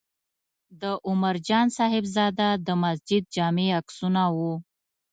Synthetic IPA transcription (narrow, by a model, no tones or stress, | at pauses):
d̪əʔʊmaɾd͡ʒɑnsɑɦɪbzɑd̪ad̪əmas̬d͡ʒɪd̪̚d͡ʒɑmeaksunawu